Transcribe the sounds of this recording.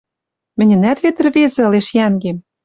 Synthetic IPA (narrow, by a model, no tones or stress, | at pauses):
mɘ̆nʲɘ̆næt̪βet̪ə̆rβezĕɤ̆leʃjæŋɡem